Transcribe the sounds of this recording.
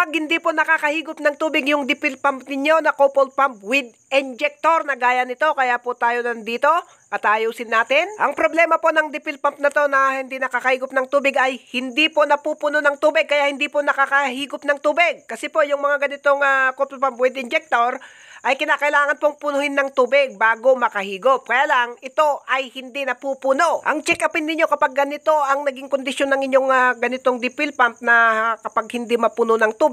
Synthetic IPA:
pɐɡ̚hɪnd̪iponɐkaːkɐhiːɡʊpnɐŋt̪uːbɪɡjʊŋd̪ɪpɪlpamp̚nɪɲjo̞nɐkopolpamp̚wɪd̪̚ | ɪnd͡ʒɛk̚t̪oɾnɐɡaːjɐnɪt̪o̞kɐjapot̪aːjo̞nɐnd̪iːt̪o̞ | ʔɐt̪aːjowsɪnːaːt̪ɪnʔɐŋpɾoblɛmɐpo̞nɐŋd̪ɪpɪlpamp̚nɐt̪o̞nɐhɪnd̪inɐkakɐhiːɡʊp̚nɐŋt̪uːbɪɡɐjhɪnd̪ipo̞nɐpuːpʊnonɐŋt̪uːbɪɡ̚kːɐjaʔhɪnd̪iponɐkakɐɦiːɡʊpnɐŋt̪uːbɪɡ̚kɐsɛpo̞jʊŋmɐŋaɡɐnɪt̪oŋɐkopopɐmbwɛd̪ɪnd͡ʒɛk̚t̪oɾ | ʔɐjkɪnaːkɐʔɪlaːŋɐnpo̞ŋpʊnʊhɪnːɐŋt̪uːbɪɡ̚baːɡo̞mɐkɐhiːɡop̚kɐjaːlɐŋɪt̪o̞ʔɐjhɪnd̪inɐpupuno̞ʔɐŋt͡ʃɛkɐpɪnːɪɲːo̞kɐpaɡ̚ːɐnɪt̪o̞ʔɐŋnɐɡɪŋkond̪ɪʃonːɐŋɪɲːo̞ŋaɡɐnɪt̪o̞ŋd̪ɪpɪlpɐnt̪̚nɐkɐpaɡ̚hɪnd̪imɐpunonɐŋt̪uːbɪ

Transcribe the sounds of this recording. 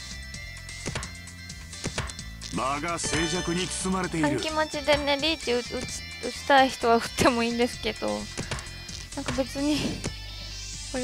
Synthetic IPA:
maɡase̞ːd͡ʑakɯ̟ɲ̟it͡sɨ̥sɨmaɾe̞t̪e̞iãŋɾɯkʲimat͡ɕid̪eneɾʲiːt̪ːiɯ̥ | ɯt͡ɕi̥t̪aiçi̥t̪o̞βaɯ̟̥t̪ʰːe̞mo̞ĩːnd̪e̞sɨ̥ke̞d̪̥o̞̰ | nãŋkabe̞t͡sɨɲ̟i | ko

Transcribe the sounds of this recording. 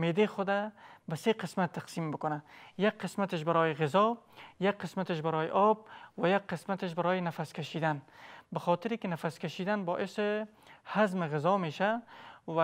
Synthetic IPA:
med̪exʊd̪abaseqɪsmat̪ːaqsiːmbɪkʊnajak̚qɪsmat̪ɪʃ̬baɾɔːjɪɣɪzɔjak̚qːɪsmat̪ɪʃbaɾɔːjɪ̰ʔɔb̚wajak̚qɪsmat̪ɪʃ̬baɾɔːjɪnafaskaʃiːd̪anbaxɔːt̪ɪɾikɪnafaskaʃiːd̪anbɔːʔɪsɪ | hazmɪɣɪzɔmeːʃawa

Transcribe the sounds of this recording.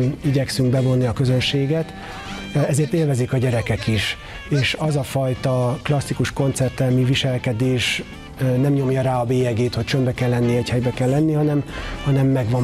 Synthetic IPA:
iɟɛksyŋɡ̚bɛvo̞nːiɒkø̞zø̞nʃeːɡɛt̪ | ɛzeːrt̪eːlvɛzikɒɟɛɾɛkɛkiʃ | eːʃɒzɒfɒjt̪ɒklɒsːikuʃko̞nt̪sɛrt̪ɛmiviʃɛlkɛd̪eːʃ | nɛmɲo̞mjɒɾaːɒbeːjɛɡeːt̪hoct͡ʃømbɛkɛlːɛnːiɛchɛjbɛkɛlːɛnːihɒnɛmhɒnɛmːɛɡʋɒm

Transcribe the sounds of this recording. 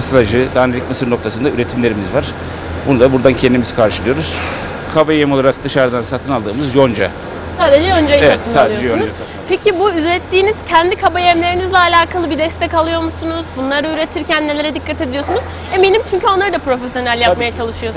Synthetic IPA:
aslɾaʒɯd̪aːnelʲicʲmɯsɯɾno̞kt̪ʰasɯnd̪ayɾe̞t̪ʰimlʲe̞ɾimizvaɾ̥ | bund̪abuɾd̪ancʰɛnd̪imiz̥kʰaɾʃɯlˠɯjo̞ɾuz̥ | kʰabajemolˠaɾak̚d̪ɯʃaɾd̪ansat̪ʰɯnalˠd̪ɯːmɯzjo̞nd͡ʒa̰ | saːd̪ed͡ʒɛjond͡ʒajevt̪ɯsmaːd̪ˠeod͡ʒɛjo | pʰecʰibuyzɾɛt̪ʰːiːniz̥cʰænd̪ikʰabajɛmlʲe̞ɾinizlʲɛalʲaːkʰalˠɯbid̪ɛst̪ʰɛcalˠɯjo̞ɾmusunuzbunlˠaɾɯyɾet̪ʰiɾcænːe̞lʲe̞ɾɛd̪ikʰːat̪e̞d̪ijo̞sunuz | emelʲimt͡ʃʰyɲcʰyo̞nlˠaɾɯd̪apɾo̞fesjo̞nælʲjapmajat͡ʃʰalˠɯʃɯjos

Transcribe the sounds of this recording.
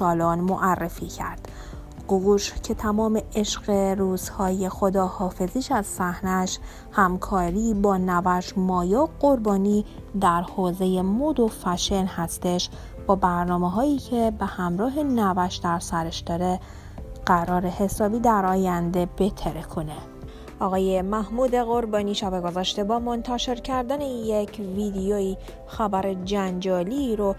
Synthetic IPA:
sɒːlɔːnmoʔærːefiːcʰæ̰ɾd̪̥ | ɡoɣuʃcʰe̞t̪ʰæmɒːme̞eʃɢeɾuːz̥hɒːje̞xo̞d̪ɒːhɒːfe̞ziːʃæz̥sæhnæʃ | hæmkʰɒːɾiːbɒːnævæʃmɒːjɒːɢo̞ɾbɒːniː | d̪æɾhoːze̞je̞mod̪ofæʃenhæst̪e̞ʃ | b̥ɒːbæɾnɒːmeɦɒːiːcʰebehæmɾɒːɦenævæʃd̪̥æɾsæɾeʃd̪̥ɒːɾe | ɢ̥æɾɒːɾe̞he̞sɒːbiːd̪æɾɒːjænd̪e̞b̥et̪ʰeɾekʰone | ʔɒːɣɒːjemæhmuːd̪e̞ɣoɾbɒːniːʃæbeɡozɒːʃt̪ebɒːmont̪ʰæʃe̞ɾcʰæɾd̪ænejecʰvid̪ejoiː | xæbæɾed͡ʒænd͡ʒɒːliːɾo

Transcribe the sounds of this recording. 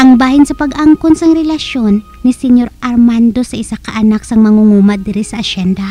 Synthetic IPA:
ʔɐŋbaːhɪnsɐpɐɡʔaŋkonsɐŋɾɛlɐʃo̞nːɪsɛɲo̞ɾɐɾmand̪o̞sɐʔɪsakɐʔɐnaksɐŋmɐŋuŋuːmɐd̪ɪɾisɐʔɐʃɛnd̪ɐ

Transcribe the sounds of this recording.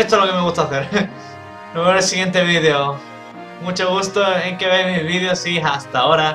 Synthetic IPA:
est̪olokemeɣust̪aθeɾ | eβeɾelsiɣje̞nt̪eβiðeo | mut͡ʃoɣust̪oeŋkeβejmiβiðjosiɦast̪aoɾa

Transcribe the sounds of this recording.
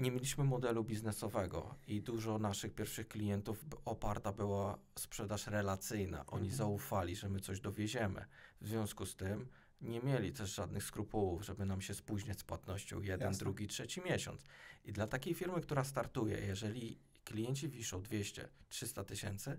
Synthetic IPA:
ɲɛmʲjelʲiɕmɘmɔd̪ɛlubʲiznɛsɔvɛɡɔ̰id̪uʐɔnaʂɘxpʲjɛɾfʂɘxklʲijɛnt̪ufɔpaɾt̪abɘwaspʂɛd̪aʂɾɛlat̪sɘjna̰ʔɔ̰ɲizaufalʲiʐɛmɘt̪sɔʑd̪ɔvʲjɛd͡ʑɛmɘ̰vzvʲjɔ̃w̃skust̪ɘm | ɲɛmʲjɛlʲit̪ɛʐʐad̪nɘxskɾupuwuvʐɛbɘnamɕɛspuʑɲat͡ɕspwat̪nɔɕt͡ɕɔ̰̃w̃jɛd̪ɛnd̪ɾuɡʲitʂɛt͡ɕimʲjɛɕɔ̰nt̪sid̪lat̪akʲejfʲiɾmɘkt̪uɾast̪aɾt̪ujɛ̰jɛʐɛlʲi | klʲijɛɲt͡ɕivʲiʂɔ̃w̃d̪vʲjɛɕt͡ɕɛ̰tʂɘst̪at̪ɘɕɛnt̪sɘ

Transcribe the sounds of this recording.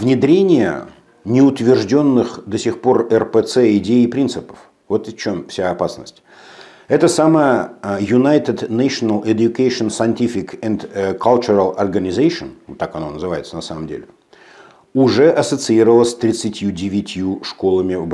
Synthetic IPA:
vnʲɪd̪ɾʲenʲɪjə̰ | nʲɪʊt̪vʲɪrʐdʲo̞nːɨxd̪əsʲɪxpo̞rɛrpɛt̪sɛɪdʲeːpɾʲint̪sɨpə̥f | vo̞t̪t͡ɕo̞mfsʲaɐpasnəsʲtʲ | ɛt̪əsaməjəjʊnajt̪ʲɪd̪najʂənəlˠɪd̪ʲjʊkejʂɨənsɐɪntʲifʲɪkɛnd̪kʰalʲt͡ɕʊɾəlˠɐrɡənʲɪzejʂənt̪ːakɐno̞nəzɨvaɪt̪sənɐsaməmdʲḛlʲɪ | ʊʐɛʔɐsət̪sɨiɾəvəlˠəsʲt̪ɾʲɪt̪sɨtʲjudʲɪvʲɪtʲjuʂko̞lˠəmʲɪ

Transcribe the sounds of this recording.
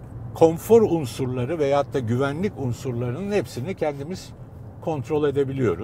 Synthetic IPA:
kʰo̞nfo̞ɾunsuɾlˠaɾɯvɛjaat̪ʰːaɟyvænlʲicunsuɾlˠaɾɯnɯnhepsinicʰɛnd̪imiz̥ | kʰo̞nt̪ɾo̞lʲˠe̞d̪e̞bilʲijo̞ɾu

